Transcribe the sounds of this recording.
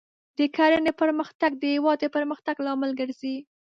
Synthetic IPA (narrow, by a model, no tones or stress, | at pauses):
d̪̥əkaɾənepəɾməxt̪aɡ̚d̪əhɪwɑd̪̚d̪əpəɾməxt̪aɡlɑməlɡəɾzi